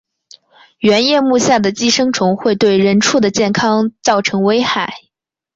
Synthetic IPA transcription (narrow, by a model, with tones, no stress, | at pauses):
ɥɛ˧˥njɛ˥˧mu˥˧ɕja˥˩d̪ə˩t͡ɕi˥ʂɤ˥ŋʈ͡ʂʰʊ˧˥ŋxwe˥˧ɪt̪we˥˩ɪɻə˧˥nʈ͡ʂʰu˥˩d̪ə˩t͡ɕjɛ˥˩nkʰɑ˥ŋt͡sɑ˥˩ʊʈ͡ʂʰɤ˧˥ŋwe˥ɪxa˨˩˦ɪ